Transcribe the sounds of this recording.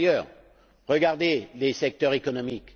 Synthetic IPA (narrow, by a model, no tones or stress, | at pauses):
jœːʁ | ʁəɡaʁd̪elesɛk̚t̪œʁekɔnɔmik